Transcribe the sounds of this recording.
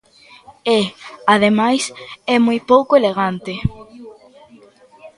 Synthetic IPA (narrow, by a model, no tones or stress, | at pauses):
eað̞emajsɛmujpowkoeleɣant̪e